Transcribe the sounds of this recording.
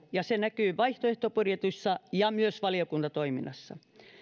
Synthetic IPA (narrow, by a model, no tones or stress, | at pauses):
jɑsenækyːʋɑiht̪oeht̪opurjet̪usːɑjɑmyøsʋɑliokunt̪ɑt̪oiminːɑsːɑ̰